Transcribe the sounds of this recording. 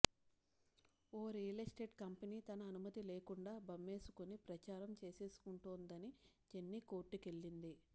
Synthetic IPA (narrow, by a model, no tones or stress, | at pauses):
oːɾijɐlɐsʈe̞ːɖkɐmpɐniːt̪ɐnɐːnumɐt̪ile̞ːkuɳɖaːbɐmːe̞ːsu̥kunipɾɐt͡ʃaːɾɐmt͡ʃe̞ːse̞ːsu̥kuɳʈuːnd̪ɐni | t͡ʃenːiko̞ːʈːike̞ɭːind̪i